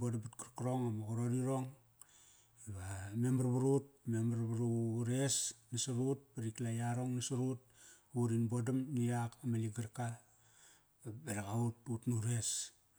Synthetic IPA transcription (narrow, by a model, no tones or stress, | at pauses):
bodabatkaɾkɾoŋamaɡuɾoɾiɾoŋ | βamembaɾbaɾut̚memaɾbaɾuɾesnasuɾut̚paɾiklajaɾoŋnasuɾut̚ | uɾinbodamniakamaliɡaɾka | beɾakaututnuɾe̞s